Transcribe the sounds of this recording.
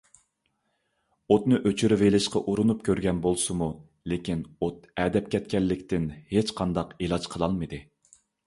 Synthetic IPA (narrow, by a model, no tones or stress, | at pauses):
ot̪nɨʔøt͡ʃʰyɾɪvelɪʃqɑʔuɾunupkʲøɾɡʲɛnbolˠsɨmu | lekʲinot̪̚ɛd̪ɛpkʲʰɛt̪̚kʲɛlːɪkʲt̪ɪnhet͡ʃqʰɑnd̪ɑqelˠɑd͡ʒqʰəlˠɑlˠmɨd̪ɨ